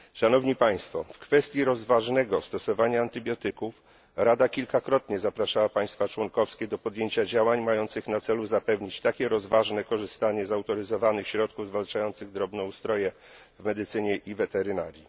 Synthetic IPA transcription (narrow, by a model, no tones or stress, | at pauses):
ʂanɔvɲipaj̃st̪fɔ̰fkfɛst̪ʲjiɾɔzvaʐnɛɡɔst̪ɔsɔvaɲaːnt̪ɘbʲjɔt̪ɘkuf | ɾad̪akʲilkakɾɔt̪ɲɛzapɾaʂawapaj̃st̪fat͡ʂwɔŋkɔfskʲɛd̪ɔpɔd̪jeɲt͡ɕad͡ʑawaɲmajɔnt̪sɘxnat̪sɛluzapɛvɲit͡ɕt̪akʲɛɾɔzvaʐnɛkɔʐɘst̪aɲɛzawt̪ɔɾɘzɔvanɘxɕɾɔt̪̚kuvzvalt͡ʂajɔnt̪sɘɣd̪ɾɔbnɛust̪ɾɔjɛ | vmɛd̪ɘt̪sɘɲɛʔivɛt̪ɛɾɘnaɾʲji